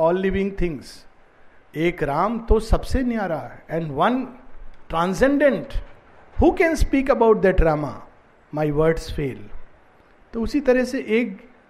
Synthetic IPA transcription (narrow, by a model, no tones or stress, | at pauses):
ɔːlːɪʋɪ̃ŋɡt̪ʰɪ̃ŋɡs | eːkɾãːmt̪osɐbsenjaːɾaɛɛ̃ɳɖʋɐ̃nʈɾãːnsɛ̃ɳɖə̃ɳʈ | huːkɛ̃nspiːkɐbaʊʈ̚d̪əɖɾaːma̰ | maɪʋəɾɖsfeːl | t̪oʊsit̪ɐɾəɦseʔeːk̚